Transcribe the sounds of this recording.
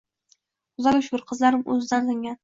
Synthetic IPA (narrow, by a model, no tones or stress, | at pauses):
ʊzaɡʲʊʃbʊɾqʰɨzlaɾɪmɵ̰zɪd̪anzɪŋɡʲan